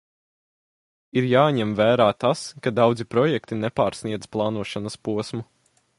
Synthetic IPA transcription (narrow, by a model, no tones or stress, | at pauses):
iɾjaːɲɛmvæːɾaːt̪askad̪awd̪zipɾɔjɛkt̪inɛpaːɾsniɛd̪zplˠɑːnuɔʃanɐspuɔsmu